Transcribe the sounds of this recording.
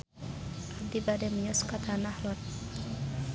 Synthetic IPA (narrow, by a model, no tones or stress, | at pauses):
ad̪ibademəɲɔskat̪ʰanahlɔt̪̚